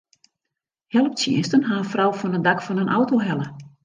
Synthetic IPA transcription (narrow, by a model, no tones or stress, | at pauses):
hɛlˠəp̚sjɪ̰ənstənɦaənfrawfɔnəndakfɔnənʔa̰wtoɦɛlə